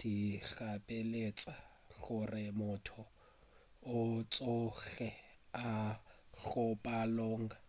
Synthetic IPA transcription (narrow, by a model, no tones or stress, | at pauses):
d̥iɬapʼelet͡sʼa | ɬʊrɪmʊtʰɔ | ʊt͡sʼɔɣɛa | ɬʊpʼaloːŋa